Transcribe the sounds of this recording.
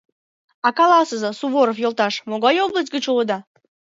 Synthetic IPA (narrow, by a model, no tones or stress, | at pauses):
ɑkɑlɑsəzɤsuβoɾofjolˠt̪ɑʃmoɣɑjoblˠəs̬ʲt̚ʲɡət͡ɕuləd̪ɑ